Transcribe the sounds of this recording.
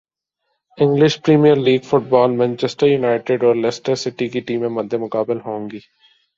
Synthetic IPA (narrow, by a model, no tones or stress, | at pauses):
ɪ̃ŋɡlɪʃpɾiːmijəɾliːɡfʊʈ̚bɔːlmɛ̃nt͡ʃɛsʈəɾjunaːɪʈɪɖɔːɾlɛsʈəɾsɪʈikiʈiːmẽmɐd̪ʱːemʊkaːbɪlɦõːŋɡiː